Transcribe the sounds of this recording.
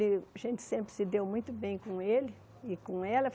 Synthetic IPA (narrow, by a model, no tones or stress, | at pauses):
lɪaʒẽnt͡ʃ̪ɪ̥sẽmpɾɪsɪd̪ewmũj̃t̪ʊbẽj̃kõelɪ | ɪkõɛlɐf